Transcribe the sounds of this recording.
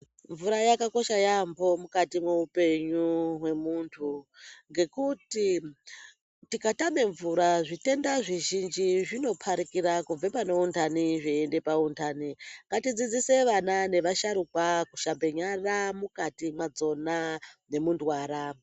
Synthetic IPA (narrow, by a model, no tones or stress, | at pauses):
ɱvuɾajakako̞ʃajambo̞mukatimweupe̞ɲuɦwe̞muntʰuŋɡe̞kuti | tikatame̞ɱvuɾaʐite̞ndaʐiʒind͡ʒiʐino̞pʰaɾikiɾakub͡vepano̞untaniʐiende̞pauntʰaniŋɡatid͡zid͡ziseʋanane̞ʋaʃaɾukwakuʃambe̞ɲaramukatimwad͡zo̞nane̞mundwaɾa